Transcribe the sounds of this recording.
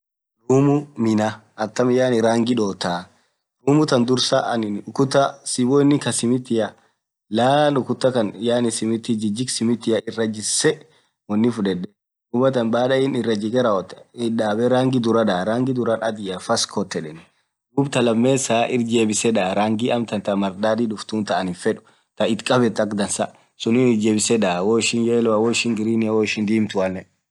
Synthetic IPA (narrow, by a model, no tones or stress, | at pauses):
ɾuːmʊmɪnɐ | ɐt̪ːɐmɪjaːnɪɾaːŋɡɪᶑoːt̪aː | ɾuːmʊt̪ɐnd̪ʊɾsɐʔnɪnʊkʊt̪ːɐsibɔɪnːɪkɐsɪmɪt̪ːɪjɐ | laːlʊkʊt̪ːɐkɐnjaːnɪsɪmɪt̪ːɪd͡ʒɪd͡ʒɪksɪmɪt̪ːɪjɐʔɪrːɐd͡ʒɪsːɛ | wɐnːɪfʊᶑɛᶑɛ | uːmɐt̪ɐnbaːᶑɐɪnɪrːɐd͡ʒɪɡɛɾawɔt̪ːɪᶑaːbɛɾaːŋɡɪd̪ʊɾɐd̪aːɾaːŋɡɪd̪ʊɾɐnɐd̪ɪjɐfɐskʰɔt̪ːɛᶑɛn | d̪uːbt̪ɐlɐmːeːsaːʔɪɾd͡ʒeːbɪsɛᶑaːɾaːŋɡiʔɐmt̪ɐnt̪ɐmɐɾd̪aːd̪iːdʊft̪uːnt̪ɐʔɐnɪfɛᶑʊ̥ | t̪ɐɪt̪kʼɐbɛt̪ːɐkd̪ɐnsɐ | sʊnɪnɪd͡ʒeːbɪsɛᶑaːwɔɪʃɪnjeːlɔwɐwɔɪʃɪŋɡɪɾiːnɪjawɔɪʃɪnd̪iːmt̪ʊwɐnːɛ